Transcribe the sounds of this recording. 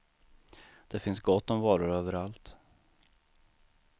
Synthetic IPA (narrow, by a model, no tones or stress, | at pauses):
d̪̥ɛfɪnsɡɔt̪ːɔmvɑːɾʊɾøːvəɾalt̪